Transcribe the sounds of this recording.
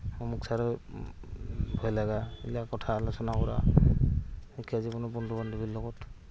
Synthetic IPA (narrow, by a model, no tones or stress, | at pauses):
ɔmuksaɾɔ | bʱɔjlaɡaḭlakɔtʰaːlasɔnakɔɾa̰ | ikʰazibɔnɔbɔndɔbandubilːɔɡɔt